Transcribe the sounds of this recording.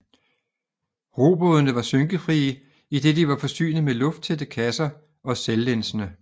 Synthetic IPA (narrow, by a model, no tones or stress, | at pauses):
ʁo̝ːb̥ɔðˠnəʋɑ̈søŋɡ̥əfʁiːə | id̥e̝d̥iʋɑ̈fɒ̽sy̰ːnð̩ˠmelɔ̽fd̥t͡sʰed̥əkʰæsɐ | ʔɒ̽selːensənə